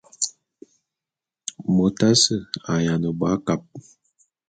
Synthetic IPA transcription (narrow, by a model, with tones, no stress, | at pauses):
mə˨ta˦sə˦a˨ja˨nə˨ba˨˦ka˨p̚